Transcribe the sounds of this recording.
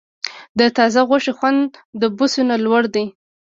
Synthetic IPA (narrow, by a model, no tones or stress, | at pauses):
d̪ət̪ɑzaɣaʂexwand̪ːəbusunalwaɽd̪ej